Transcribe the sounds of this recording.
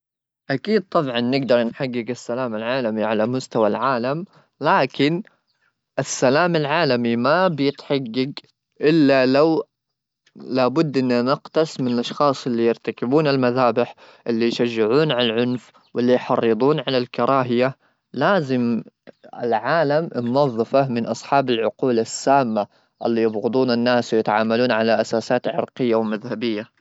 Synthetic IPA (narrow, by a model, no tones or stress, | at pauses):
ʔakiːd̪̚t̪ˤɑbʕɑnːɪɡd̪ɑɾˤnħaɡːɪɡɪsːalaːmalʕaːlamiʕalamʊst̪awa̰lʕaːlam | laːkɪn | ʔɪsːalaːmalʕaːlamimabjɪt̪ħaɡːaɡ | ʔɪlːalaw | labʊd̪ːʔɪnːanɪɡt̪ɑsˤmɪnɪlʔɑʃxɑːsˤʔɪlːijɪɾt̪akɪbuːnɪlmaðaːbɪħ | ʔɪlːijʃaʒːɪʕuːnʕaalʕʊnf | wɪlːijħɑrˤːɨd̪ˤuːnʕalalkɑɾˤɑːɦɪja | laːzɪm | ɪ̰lʕaːlammwɑðˤːɨfamɪnʔɑsˤħɑːbalʕʊquːlasːaːmːa | ʔɪlːijɑbɣɨd̪ˤuːnanːaːswjɪt̪ʕaːmaluːnʕalaʔasaːsaːt̪ʕɪ̰ɾqɪjːawmaðhabɪjːa